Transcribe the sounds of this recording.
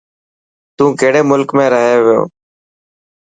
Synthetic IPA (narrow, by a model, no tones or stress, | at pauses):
t̪ũːkeːɽeːmʊlkmẽːɾəɦeːʋɪjo̰ː